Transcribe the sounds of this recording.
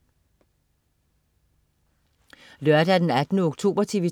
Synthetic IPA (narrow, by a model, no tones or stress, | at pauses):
lœɐd̥æd̥enæd̥nəɔɡ̥̚t͡sʰo̝̰ːb̥ɐt͡sʰiʋə